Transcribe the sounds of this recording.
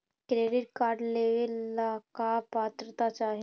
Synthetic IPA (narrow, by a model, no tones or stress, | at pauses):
kɾeɖiʈ̚kaɾɖleʋlakapat̪ɾət̪at͡ʃaɦe